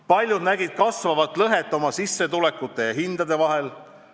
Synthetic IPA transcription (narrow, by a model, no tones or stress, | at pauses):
pɑlʲjud̪næɡid̪̥̚kɑsvɑvɑt̪ːˑlɤɦet̪ːˑo̞mɑsisːe̞t̪ule̞kːut̪ːˑe̞jɑɦind̪̥ɑd̪e̞vɑɦel